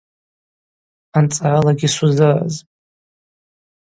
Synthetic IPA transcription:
ant͡sʼaʕalaɡʲisuzɨra̰zʼ

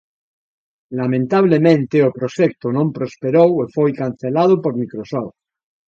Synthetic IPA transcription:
lamẽnt̪aβ̞lemẽnt̪eopɾoʃek̚t̪onõmpɾospeɾowefojkan̟θelað̞opoɾmikɾosoft̪

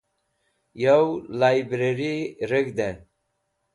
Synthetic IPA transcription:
jawlajbɾeɾiɾəɡd̪e

